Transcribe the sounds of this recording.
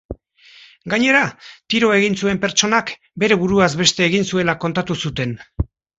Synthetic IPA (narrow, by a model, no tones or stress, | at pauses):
ɡaɲe̞ɾat̪iɾo̞e̞ɣ̞insue̞mpe̞ɾt͡ʃo̞nak | be̞ɾe̞βuɾuazβe̞st̪e̞ːɣ̞insue̞lako̞nt̪at̪usut̪e̞n